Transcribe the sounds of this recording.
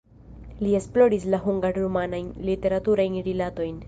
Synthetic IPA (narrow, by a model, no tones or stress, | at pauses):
lie̞splo̞ɾislaɦuŋɡaɾɾumanajnlite̞ɾatuɾajnɾilato̞jn